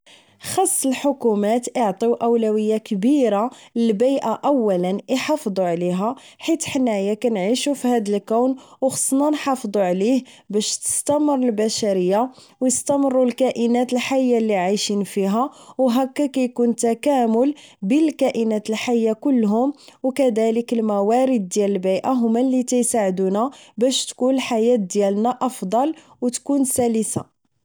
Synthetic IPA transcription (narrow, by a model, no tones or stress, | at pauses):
xɑsˤːəlħʊkumæt̪ʔəʕt̪ˤiwʔæwlæwəjːakbiɾaləlbijʔaʔæwːælənʔiħɑfd̪ˤuʕliɦæ | ħit̪ħənːæjækænʕiʃufihæd̪əlkæwnwxɑ̥sˤːnɑnħɑfd̪ˤuʕlih | bæʃt̪ə̥st̪æmərˤːəlbæʃæɾəjːa | wjəst̪æmərˤːulkæʔənæt̪əlħajːalːiʕajʃinfiɦæwɦækːækæjkunt̪ækæmʊlbəlkæʔənæt̪əlħajːakʊlːɦʊmwkæd̪æləkəlmæwæɾəd̪̚ːjæləlbijʔaɦʊmːælːit̪æjsaʕd̪unæbæʃt̪kunlħajæt̪̚d̪jælnæʔɑfd̪ˤɑl | wt̪kunsæləsa̰